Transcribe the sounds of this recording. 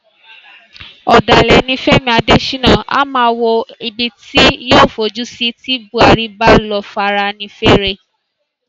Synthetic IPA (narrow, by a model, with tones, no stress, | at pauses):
ɔ˨da˨lɛ˨nĩ˧fɛ˦˨mĩ˦a˧de˦ʃi˦nã˦˨a̰˦mãː˧˦wo˧i˨bi˧ti˦joː˦˨fo˨d͡ʒu˦si˧˦ti˦bu˦a˨ɾi˨˧ba˦lɔ˧fa˧ɾa˧nĩ˧fe˦ɾe˧